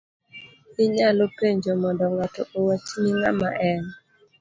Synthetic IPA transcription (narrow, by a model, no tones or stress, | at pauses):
ɪɲalopeɲd͡ʒomɔndɔŋatɔʔowat͡ʃnɪŋa̰ma̰ʔɛn